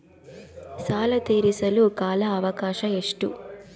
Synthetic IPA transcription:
saːlɐt̪eːɾisɐlukaːlɐːʋɐkaːʂɐeʂʈu

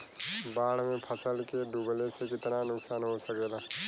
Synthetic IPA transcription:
baːɽ̤mẽpʰəsəlkeɖuːɡlesekɪt̪nanʊksaːnɦosɐkeːlaː

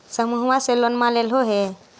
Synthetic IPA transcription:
səmuɦwaselɔnmalelɦoɦɛ

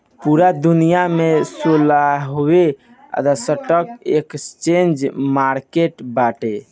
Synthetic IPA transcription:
puɾad̪unijamesolaɦowe | ə̰d̪asəʈəkekt͡ʃend͡ʒmaɾkeʈbaʈe

